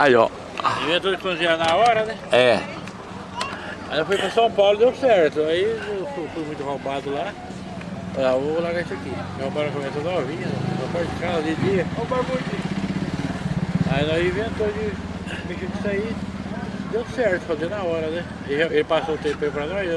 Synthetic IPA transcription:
ajɔ̰ | ĩvẽnt̪od͡ʒɪspõzĩɲanɐɔɾɐnɛɛ | a̰j̪efujpɾɐsɐ̃w̃pawlʊd̪ewsɛɾt̪ʊaifut̪ud̪mũj̃t̪ʊhobad̪ʊla | lavolaɡaisʊɐkihõpalɐkõmɛsɐnɔvĩɲɐhõpaɾd͡ʒɪkazɐd͡ʒɪd͡ʒiɐhobamotĩ | ainɔ̃zĩvẽnt̪od͡ʒɪ | meʃĩd͡ʒɪsai | d̪ewsɛɾt̪ʊ̥fazinaɔɾɐnɛ | eʒaelɪpasot̪ẽpʊẽʊpɾɐnɔjz

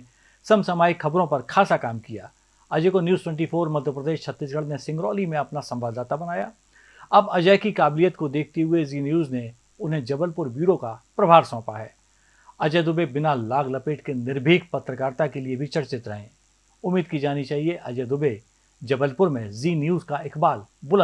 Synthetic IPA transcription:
sɐmsɐmaːikʰɐbɾõpɐɾkʰaːsakaːmkijaː | ɐd͡ʒekonjuːzʈwɛ̃ɳʈipʰoːɾmɐd̪ʱjəpɾəd̪eːʃt͡ʃʰɐt̪ːisɡəɽnesɪ̃ŋɡɾɔːlimẽɐpnasɐ̃mbaːd̪aːt̪abɐnaːja | ɐbɐd͡ʒɛːkikaːblijət̪kod̪eːk̚ʰt̪eɦʊeziːnjuːzne | ʊnɦẽd͡ʒɐbəlpʊɾbiːɾokapɾɐbʱaːɾsɔ̃ːpaɦɛː | ɐd͡ʒɛd̪ʊbebɪnalaːɡlɐpeːʈkenɪɾbʱiːɡpɐt̪ɾəkaːɾt̪akeliebʱit͡ʃɐɽt͡ʃɪt̪ɾɐɦẽː | ʊmːiːd̪kid͡ʒaːnit͡ʃaːɦieʔɐd͡ʒɛd̪ʊbe | d͡ʒɐbəlpʊɾmẽziːnjuːzkaɪkbaːlbʊlə

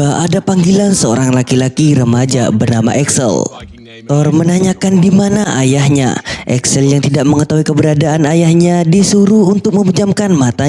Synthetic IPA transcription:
aadapaŋɡilansəoɾaŋlakilakiɾəmad͡ʒa̰bərnama̰ʔɛksɛ̰l | t̪ɔrmənaɲakandimanaʔajahɲa̰ʔɛ̰ksɛljaŋt̪idaʔ̚məŋət̪aɦuikəbəɾadaʔanajahɲadisuɾuhunt̪ʊk̚məmud͡ʒamkanmat̪a

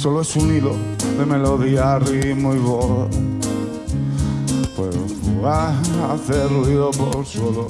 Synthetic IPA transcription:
soloesuniloðemeloðiarimoiβoða | pweð | aaθeruiðopolswolo

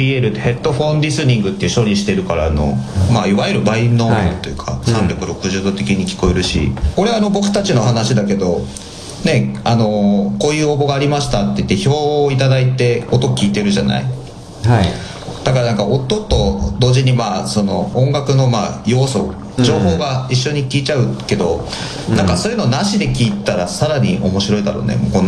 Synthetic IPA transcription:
ieɾɯ̟t̪ːehe̞t̪ːo̞ɸõ̞nɾʲisɨɲ̟ĩŋɡɯ̟t̪ːeɯ̟ɕo̞ɾʲiɕi̥t̪e̞ɾɯ̟kaɾaːno̞̰maiβaiɾɯ̟bainːot̪ːo̞jɯ̟kʰa̰sãnɾʲokɯ̟ɾo̞kɯ̟ʑɨːd̪ot̪e̞kʲiɲ̟ikʲi̥ko̞eɾɯ̟ɕḭko̞ɾeano̞bo̞kɯ̟̥t̪at͡ɕino̞hanaɕid̪ake̞d̪o̞ | ne̞ano̞ko̞ːjɯ̟ːobo̞ɡaːɾʲimaɕi̥t̪at̪ːe̞it̪ːe̞ço̞ːit̪ad̪ait̪e̞ot̪o̞kʲiːt̪e̞ɾɯ̟ʑa̰na̰ḭ | d̪̥akaɾanaŋkaot̪ːo̞t̪ːo̞d̪o̞ːʑiɲ̟imaːso̞no̞õŋɡakɯ̟no̞maːjo̞ːso̞ | d͡ʑo̞ːɦo̞ːɡaiɕːo̞ɲ̟ikʲiːt͡ɕaɯ̟ke̞d̪o̞ | nãŋkaso̞ːjɯ̟no̞naɕid̪e̞kʲiːt̪aɾasaɾaɲ̟iʔo̞̰mo̞ɕiɾo̞id̪a̰ɾo̞̰nḛmokon

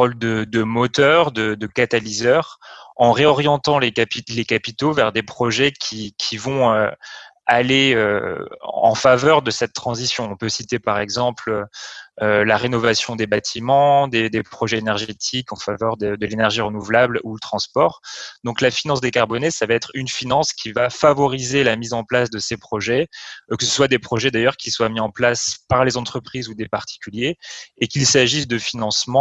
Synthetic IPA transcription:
ɔld̪əd̪əmɔt̪œʁd̪əd̪əkat̪alizœʁɑ̃ʁeɔʁjɑ̃t̪ɑ̃lekapilekapit̪ovɛʁd̪epχɔʒɛkʲʰikʲʰivɔ̃ø | aleø | ɑ̰̃favœʁd̪əsɛt̪ːχɑ̃zisjɔ̃ɔ̃pøsit̪epaʁɛɡzɑ̃pløølaʁenɔvasjɔ̃d̪ebat̪ʰimɑ̃d̪ed̪epχɔʒɛenɛʁʒet̪ʰikɑ̃favœʁd̪əd̪əlenɛʁʒiʁənuvlablulət̪χɑ̃spɔʁd̪ɔ̃klafinɑ̃sd̪ekaʁbɔnesavaɛt̪χynfinɑ̃skʲivafavɔʁizelamizɑ̃plasd̪əsepχɔʒɛkəsə̥swad̪epχɔʒɛd̪ajœʁkʲiswamiɑ̃plaspaʁlezɑ̃t̪χəpχizud̪epaʁt̪ʰi̥kʲyljeːkilsaʒis̬d̪əfinɑ̃smɑ̃

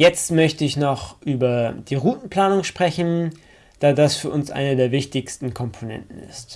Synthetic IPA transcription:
jɛt͡stmœçtəɪçnɔχʔyːbɐd̥iːʁuːtn̩pl̥aːnʊŋʃpʁ̥ɛçn̩ | d̥aːdasfyːɐʔʊnsʔa̰ɪnədeːɐvɪçtɪçstn̩kʰɔmpʰonɛ̰ntn̩ɪ̰st

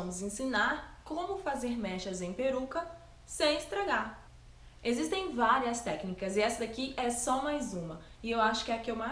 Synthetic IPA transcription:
ɐ̃mʊzẽsĩnaɾkõmʊfazeɾmɛʃɐzẽj̃peɾukɐ | sẽj̃ist̪ɾaɡaɾ | ezist̪ẽj̃vaɾiɐst̪ɛknikɐzɪɛsɐd̪akiʔɛsɔmajzũmɐ | ɪewaʃʊ̥kɪɛakiɛwma

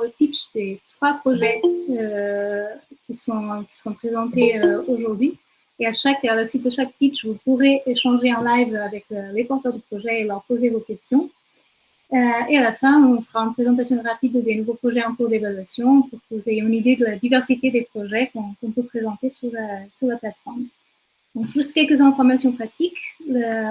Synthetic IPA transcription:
ləpit͡ʃd̪et̪χwapχɔʒɛø | kʲisɔ̃kʲi̥səʁɔ̃pχezɑ̃t̪eøoʒuʁd̪ɥi | eaʃakalasɥit̪̚d̪əʃak̚pit͡ʃvupuʁeʔeʃɑ̃ʒeɑ̃lajvavɛkølepɔʁt̪œʁd̪əpχɔʒɛelœʁpozevokʲɛst̪jɔ̃ | øealafɛ̃ɔ̃fəʁaynpχezɑ̃t̪asjɔ̃ʁapid̪d̪enuvopχɔʒɛɑ̃kuʁd̪evalɥasjɔ̃puʁkəvuzejeynid̪ed̪əlad̪ivɛʁsit̪ed̪epχɔʒɛkɔ̃kɔ̃pəpχezɑ̃t̪esyʁlasyʁlaplat̪fɔʁm | d̪ɔ̃kʒyst̪kʲɛlkəzɛ̃fɔʁmasjɔ̃pχat̪ʰiklə

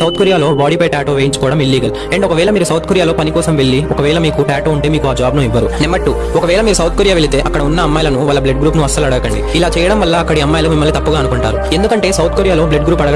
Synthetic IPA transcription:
ɐwt̪koɾijaːlo̞ːbaːɽiːpɐjʈaːʈoʋeːjiɲt͡ʃu̥kɔːɽɐmilːiːɡɐl | eːɳʈɔkɐʋɛːɭɐmiːɾusɐwt̪koɾijaːlo̞ːpɐnikɔːsɐmʋe̞ɭːiɔkɐʋɛːɭɐmiːkuʈaːʈoːuɳʈeːmiːkuaːd͡ʒaːbnuːiʋːɐɾṵnɛmːɐʈːu | ɔkɐʋɛːɭɐmiːɾusɐwt̪ʰkoɾijaːʋeɭit̪e̞ːʔɐkːɐɽɐunːɐɐmːaːjɐlɐnuʋaːlːɐbleɖɡɾuːpnuɐst̪ːɐlɐɽɐɡɐkɐɳɖḭilaːt͡ʃɛːjɐɽɐmʋɐlːɐːkːɐɽiɐmːaːjɐlɐumimːɐlːit̪ɐpːuɡaːɐnukuɳʈaːɾue̞nd̪ukɐɳʈe̞ːsɐwt̪̚ʰkoːɾijaːloːbleɖɡɾuːpɐɽɐɡ

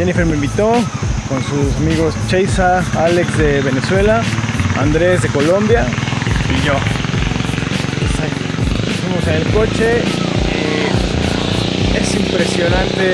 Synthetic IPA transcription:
enifeɾmeĩmbit̪o̞ko̞nsusamiɣo̞st͡ʃejsaalekzðeβeneswe̞laa̰nd̪ɾe̞zðe̞ko̞lo̞mbjaiʝo | pesai | efimose̞nelko̞t͡ʃei | e̞simpɾe̞sjo̞nãnt̪e

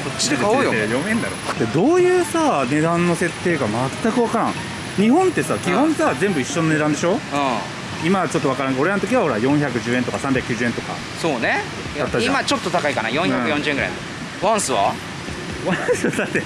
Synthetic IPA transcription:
kot͡ɕːi̥d̪ekaojoejomẽ̞nd̪aɾot̪ːed̪o̞ːjɯ̟ːsane̞d̪ãnːo̞se̞t̪ːe̞ːɡamat̪ːakɯ̟βakaɾã̰ŋ | ɲ̟ihõ̞nt̪e̞saːkʲiɦõ̞ɰ̃sazẽ̞mbɯ̟iɕːo̞none̞d̪ãnd̪e̞ɕo̞ɯ̃ː | imat͡ɕo̞t̪ːo̞βakaɾãŋko̞ɾe̞ɾanot̪okʲiβaho̞ɾajõ̞ɰ̃çakɯ̟ʑɨːe̞nt̪okasãmbʲakɯ̟jiːʑɨ̟ːẽ̞nt̪o̞ka̰ | soːne | at̪ːaimat͡ɕot̪ːot̪akaikana̰jõjãɯjõɲd͡ʑɨ̟ẽŋɡɯɾa̰in | βãɰ̃sɨβa̰ | βãsɨβad̪at̪ːe

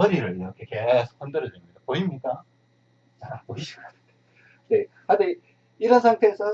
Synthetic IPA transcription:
ʌɾiɾɯɭiɾʌkʰeke̞sʰo̥kʰʌndɯɾʌdemidapoimɲik͈a | t͡ɕapoiɕʰi̥ɡa | ne | hade | iɾʌnsʰaŋtʰe̞ːsʰʌ

